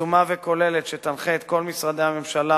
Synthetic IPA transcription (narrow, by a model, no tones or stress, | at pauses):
umaveko̞le̞let̪ʃet̪anχeeːt̪ko̞lmisʁad̪ehamemʃala